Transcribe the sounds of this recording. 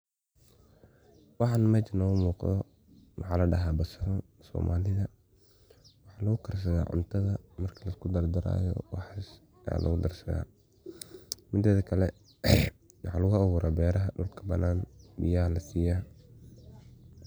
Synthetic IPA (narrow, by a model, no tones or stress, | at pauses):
wɑħɑnmɐt͡ʃɐnɔːmuːqðɔ̰ | wɑħɑːlɐɖɐɦabɐsɐɾɐnsɔ̰ːmʔaːlɪðɐ | wɑħɑːlɐɣʊkʰɐrs̬ɐða̰ːʕʊ̰nt̪ʰɐðɐmɐrkʰɐlɐskʰʊd̪ɐrd̪ɐɾa̰ːjɔ̰wɑħs | a̰ːlʔɔ̰ɣʊd̪ɐrsɐða̰ː | mɪd̪ɐðkʰɐlɛ | wɑħɑlɐɣʊɐɣʊːɾʔaːbɛːɾɐɦɐɖʊlkʰɐ̥bɐnaːnbɪ̰jahlɐsiːjaː